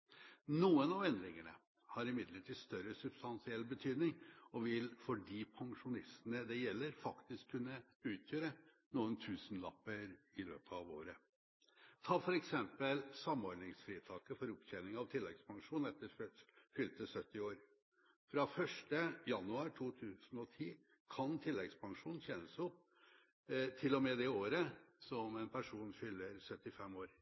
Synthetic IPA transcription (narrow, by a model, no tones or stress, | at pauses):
nuːənɑʋɛnd̪ɾɪŋəɳə̰ | hɑɾɪmɪd̪ləʈʰiːst̪œɾəsʉb̥st̪ɑnsɪɛlːbət̪ʰyːd̪nɪŋɔʋɪlfɔɖiːpʰɑŋʂʊnɪst̪ənəd̪ɛjɛlːəɾfɑkt̪ɪskʰːʉnːə | ʉːt̪ʰjøːɾə | nuːənt̪ʰʉːsənlɑ̰pːəɾɪlø̰ːpʰəɑʋo̰ːɾə | t̪ʰɑːfɔɾɛksɛmpəlsɑmɔɾɖ̪nɪŋsfɾiːt̪ʰɑːkəfɔɾʊpçɛnɪŋɑʋt̪ʰɪlːɛ̰ɡspʰɑŋʂuːnɛt̪ːəɾfʏlt̪əsœt̪ːɪoːɾ | fɾɑfœʂʈəjɑnːʉɑːɾʈʰuːt̪ʰʉːsn̩ɔt̪ʰiː | kʰɑnt̪ʰɪlːɛɡspʰɑŋʂuːnn̩çɛnəsɔp | t̪ʰɪlːɔmɛd̪ɛoːɾəsɔmɛnpʰæʂuːnfʏlːəɾsœt̪ːɪfɛmːoːɾ